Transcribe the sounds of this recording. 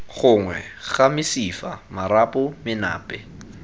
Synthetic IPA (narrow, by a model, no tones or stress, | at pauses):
χʊŋwɛ̰ɣamɪsifa̰maɾapʼʊmɪna̰ːpʼɛ